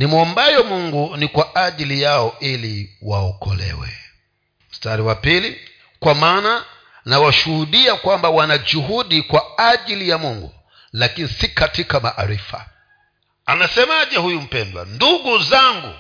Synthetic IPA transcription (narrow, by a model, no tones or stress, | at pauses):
nimɔmbajɔmuŋɡunikwaʔaʄilijaɔiliwaɔkɔlɛ̰wɛ̰ | m̩staɾiwapili | kwamaːna | nawaʃuhuɗiakwambawanad͡ʒuɦuɗikwaaʄilijamuŋɡṵ | lakinisikatikamaʔaɾifa̰ | anasɛmaʄɛhujum̩pɛndwa̰nduɡuzaŋɡṵ